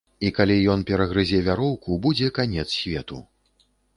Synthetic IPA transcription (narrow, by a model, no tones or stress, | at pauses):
ikalʲijɔnpʲɛɾɐɣɾɨzʲɛvʲaɾɔwkubud͡zʲɛkanʲɛt̪ssʲvʲɛt̪ṵ